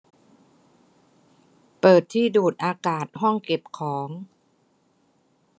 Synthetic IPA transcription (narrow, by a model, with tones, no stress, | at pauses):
pɤː˨˩t̪ʰːiː˥˩duː˨˩t̪̚ʔaː˧kaː˨˩t̪̚ɦɔ˥˩ŋke˨˩p̚kʰɔː˩˦ŋ